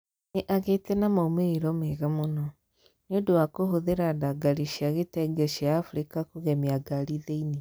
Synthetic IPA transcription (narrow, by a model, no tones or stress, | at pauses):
neʔaɣetɛnamaumeiɾɔmeɣamonɔ | nodowakoɦoðeɾadaɡaɾiʃjaɣetɛɡɛɕiaːfuɾikakuɣɛmiaɡaɾiðeini